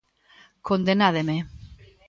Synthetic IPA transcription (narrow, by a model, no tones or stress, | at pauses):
kond̪enaðeme